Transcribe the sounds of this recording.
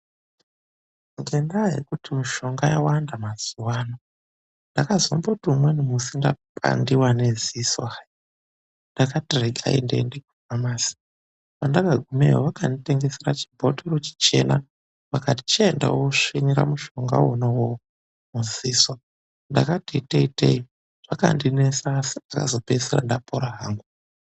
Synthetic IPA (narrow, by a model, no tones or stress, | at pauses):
ŋɡendaɦḛkutimuʃo̞ŋɡajawandamaz̥uwaːno | ndakazombotiumwenumusinda̰pʼa̰ndiwaneziswa | ndakatireɡʱa̰ḭndḛndiɡ̚ʱuamaːsi̥ | pandaɡaɡʱumḛoʋakanditeŋɡe̞seɾat͡ʃi̥bʱoteɾot͡ʃi̥t͡ʃe̞na | ʋakati̥t͡ʃenda̰woʂiniɾa̰muʃoŋɡa̰wonawo | muziːswa | ndakateteitḛi | ʐ̥aka̰ndinesasi̥akazo̞peseɾa̰ndapʰoɾaɦaːŋɡu